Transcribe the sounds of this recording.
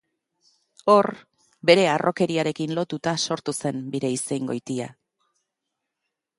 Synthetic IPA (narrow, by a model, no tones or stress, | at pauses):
o̞ɾ | be̞ɾe̞arʔo̞ke̞ɾiaɾe̞kinlo̞t̪ut̪aso̞ɾt̪use̞mbiɾe̞ise̞jŋɡo̞jt̪ia